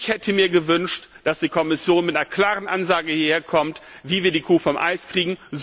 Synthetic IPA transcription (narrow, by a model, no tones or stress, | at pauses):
çhɛtʰəmiːɐɡəvʏnʃtd̥asd̥iːkʰɔmɪsjoːnmɪtaɐkʰl̥aːʁənʔanzaːɡəhieːɐkʰɔmt | viːviːɐdiːkʰuːfɔmʔa̰ɪskʁ̥iːɡŋ̩z